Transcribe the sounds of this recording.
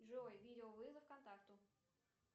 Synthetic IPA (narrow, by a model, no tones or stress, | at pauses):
ʐɨvojvʲidʲɪovɨzəfkɐnt̪akt̪ʊ